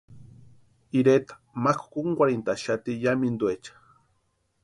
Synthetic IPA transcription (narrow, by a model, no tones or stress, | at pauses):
iɾet̪ḁmaku̥kuŋɡʷaɾint̪aʃat̪ijamind̪uet͡ʃḁ